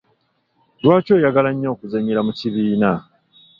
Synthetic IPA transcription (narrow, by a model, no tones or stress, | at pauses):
lwaːco̞ːjaɡalaɲːo̞ːkuzaɲiɾamuciβiːna